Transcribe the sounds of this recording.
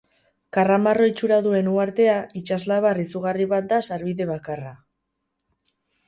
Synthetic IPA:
karamaro̞jt͡ʃuɾaðue̞nuaɾt̪e̞ait͡ʃazlaβarisuɣariβat̪̚d̪asaɾβiðe̞βakara

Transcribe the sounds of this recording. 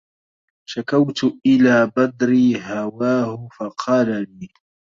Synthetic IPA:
ʃakawt̪ʊʔɪlaːbad̪ɾiːɦawaːhʊfaqʰɑːlaliː

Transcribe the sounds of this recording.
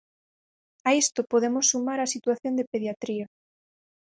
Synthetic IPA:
aest̪opoðemosːumaɾasit̪waθjond̪epeðjat̪ɾia

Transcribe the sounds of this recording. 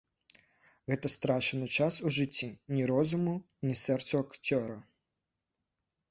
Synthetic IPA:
ɣɛt̪ɐst̪ɾaʂɨnɨt͡ʂasuʐɪt͡sʲːinʲiɾɔzʊmu | nʲisɛrt̪suɐkt͡sʲɔɾɐ

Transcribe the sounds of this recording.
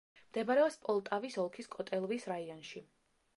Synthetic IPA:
md̪̥ɛbaɾɛɔpspʼɔlˠt̪ʼavisɔlˠkʰiskʼɔt̪ʼɛlˠvisɾaiɔnʃi

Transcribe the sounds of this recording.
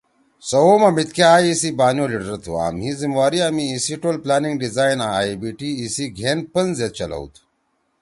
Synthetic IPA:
sɐwomɐmit̪̚keaːisibaːnjoliʈɾɐt̪ʰo̰a̰ːmɦizimwaːɾiamiːsiʈolplaːniŋɡɖizaːinaaibiʈiːsiɡʱeːnpənzet̪̚t͡ɕɐlɐ̰w̰t̪ʰ

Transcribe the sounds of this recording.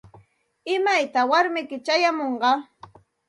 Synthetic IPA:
ɪmajt̪awaɾmɪkɪt͡ʃajamoɴɢɑ

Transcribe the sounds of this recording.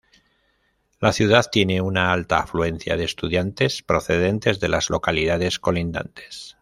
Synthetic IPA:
laθjuð̞aðt̪je̞ne̞unaalt̪aːflue̞nθja̰ð̞eːst̪uðjant̪e̞spɾo̞θe̞ð̞e̞nt̪e̞zðe̞lazlo̞kaliðaðe̞sko̞lind̪a̰nt̪e̞̥s

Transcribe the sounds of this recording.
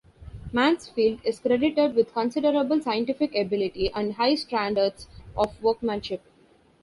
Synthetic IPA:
mæ̃nsfiːlɖɪzkɾeɖɪʈeɖʋɪd̪ʱkə̃nsɪɖəɾəbəlsaɪə̃ɳʈɪfɪkebɪlɪʈiʔæ̃ɳɖɦaɪsʈɾæ̃ɳɖəɾɖsɔfʋəːɾkmə̃nʃɪp̚

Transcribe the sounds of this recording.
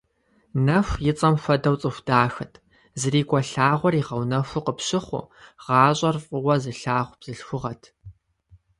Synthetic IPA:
nɐfʷjɪt͡sʼɐmfʷɐdɐwt͡sʼɨxʷd̥aːxɐtʰ | zɨriːkʷʼɔɬaːʁʷɔriːʁɐwnɐfʷʊqəpɕɪχʷʊ̰ʁ̥ɑːɕʼɐrfʼɨwɐzɨɬaːʁʷb̥z̥ɨɬxʷʊʁɐtʰ

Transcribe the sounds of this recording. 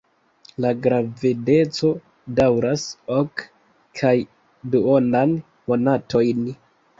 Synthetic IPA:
laɡɾavide̞t͡so̞ | dawɾasok | kʰaj | duonan | mo̞natʰo̞jn

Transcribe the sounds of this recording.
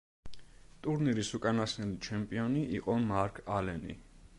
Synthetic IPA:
t̪ʼuɾniɾisukʼanasnilit͡ʃʰɛmpʼiɔniʔiqʼɔmaɾkʰalɛnḭ

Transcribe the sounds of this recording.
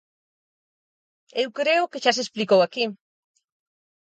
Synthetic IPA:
ewkɾeʊkeʃas̬esplikowaki

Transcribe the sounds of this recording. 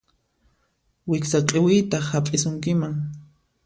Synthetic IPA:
wɪksaqʼɪwɪjt̪aχapʼɪsʊŋkɪmaŋ

